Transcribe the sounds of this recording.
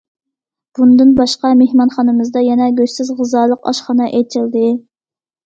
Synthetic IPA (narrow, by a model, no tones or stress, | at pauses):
b̥und̪ɨnbɑʃqɑmehmɑnχɑnɨmɨzd̪ɑjɛnɛɡʲøsɪzʁɨzɑːlˠəqɑ̰ʃχɑnɑʔejt͡ʃ̪ʰɪld̪ɨ